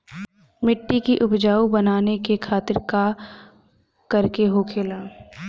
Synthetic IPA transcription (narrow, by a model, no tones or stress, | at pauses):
mɪʈːikiʔʊbd͡ʒaːubɐnaːnekekʰaːt̪ɪɾka | kɐɾkeɦoːkʰeːlaː